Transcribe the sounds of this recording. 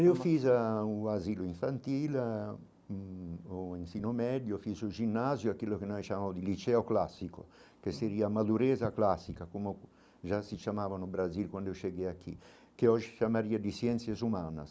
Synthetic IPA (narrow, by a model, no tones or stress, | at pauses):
iofizauaziluiɱfant̪iːl | oinsinomɛd̪jofizud͡ʒinːazjoakːilːokenɔjt͡ʃamamod̪ilit͡ʃɛoklasːiko̰keseɾiːamad̪uɾɛːzaklasːikakomo | ʒasit͡ʃamaːvanubɾazilkwand̪ioʃeɡɛakːḭ | keɔʒikjamaɾiːad̪isjɛnt̪sjezumaːna̰s